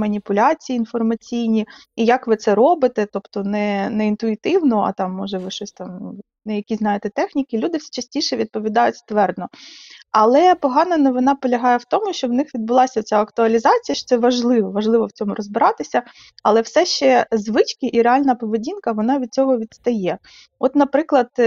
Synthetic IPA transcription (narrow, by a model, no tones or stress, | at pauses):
mɐnʲipʊlʲat͡sʲijiːnfɔrmɐt͡sʲijnʲiijakʋɪt̪sɛɾɔbɪt̪ɛt̪ɔpt̪ɔnɛnɛint̪ʊit̪ɪwnɔɐ̰t̪ɑmːɔʒɛʋɪʃɔsʲt̪ɑm | nɛjɐkʲiznɑjet̪ɛt̪ɛxnʲikɪlʲud̪ɪsʲi̥t͡ʃɐsʲtʲiʃɛʋʲid̪̚pɔʋʲid̪ɑjʊtʲst̪ʋɛrd̪nɔɐlˠɛpɔɦɑnɐnɔʋɪnɑpɔlʲɐɦɑjɛwt̪ɔmʊʃt͡ʃɔwnɪxʋʲid̪̚bʊlˠɑsʲɐɔtt͡sʲaɐkt̪ʊɐlʲizɑt͡sʲijɐʃt͡ʃɔ̥tsɛʋɐʒlˠɪʋɔʋɐʒlˠɪʋɔwt͡sʲɔmʊɾɔzbɪɾɑt̪ɪsʲɐ | ɐlˠɛwsɛʃt͡ʃɛzʋɪt͡ʃkʲɪʔiɾealʲnɐpɔʋedʲinkɐʋɔnɑʋʲid̪̚t͡sʲɔɦɔʋʲid̪st̪ɐjɛ | ɔt̪nɐpɾɪklˠɐd̪